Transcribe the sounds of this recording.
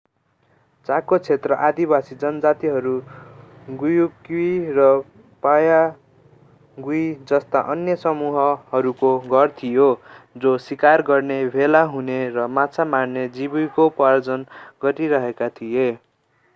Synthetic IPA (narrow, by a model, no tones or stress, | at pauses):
t͡sakot͡sʰet̪rʌʔad̪ibasid͡zʌnʌd͡zat̪iɦʌɾu | ɡujukuirʌ | paja | ɡujd͡zʌst̪aʔʌnjʌsʌmuɦʌʌɾukoɡʱʌrt̪ʰijod͡zosikarɡʌrnebʱelaɦuneɾʌmat͡sʰamarned͡zibujkopʌɾd͡zʌnɡʌʈiɾʌɦekat̪ʰije